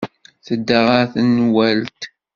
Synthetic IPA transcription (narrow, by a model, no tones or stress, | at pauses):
θəd̪ːaʁaθənːwælt̪